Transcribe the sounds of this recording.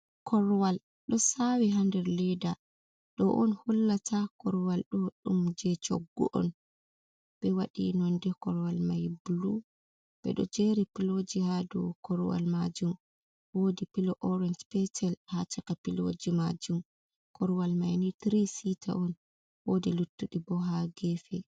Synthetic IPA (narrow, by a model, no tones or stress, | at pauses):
kʰɔɾwal | ɗɔsawiɦandɛɾlɛda | ɗɔʔɔnhɔlːatʰakɔɾwalɗɔɗumd͡ʒɛt͡ʃɔ̰ɡːɔʔɔ̰n | b̥ɛwaɗḭnɔndɛkɔɾwalmajbulu | b̥ɛ̰ɗɔ̰d͡ʒeɾipilod͡ʒihadɔ̰kɔɾwa̰lmad͡ʒum | woːdipilɔʔɔɾɛnd͡ʒpɛtɛlhat͡ʃakapilo̰d͡ʒimad͡ʒum | kʰɔɾwalmajnitɾisitʰa̰ʔɔn | wodilutːuɗibɔɦaɡɛfɛ